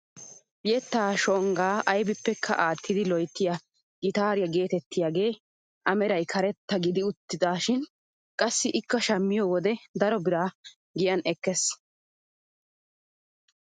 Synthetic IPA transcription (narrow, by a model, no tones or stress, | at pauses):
jɛt̪ːaːʃɔŋɡaːɐjbɪpːɛkʰːɐʔaːt̪ːɪd̪ɪlɔjt̪ːɪjɐ | ɡɪt̪aːɾɪjɐɡe̞ːt̪ɛt̪ːɪjaːɡe̞ː | ʔɐmɛɾɐjkʰɐɾɛt̪ːɐɡɪd̪ɪʊt̪ːɪd̪aːʃɪn | kʼɐsːɪʔɪkːɐʃɐmːɪjɔwɔd̪ɛd̪ɐɾɔbɪɾaː | ɡɪjɐnɛkːɛs